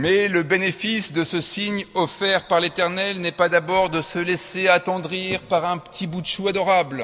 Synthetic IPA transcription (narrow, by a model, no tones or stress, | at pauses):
mɛləbenefisd̪əsəsiɲɔfɛʁpaʁlet̪ɛʁnɛlnɛpad̪abɔʁd̪əsəlɛseat̪ɑ̃d̪ʁiʁpaʁɛ̃pə̥t̪ʰibud̪ʃuad̪ɔʁabl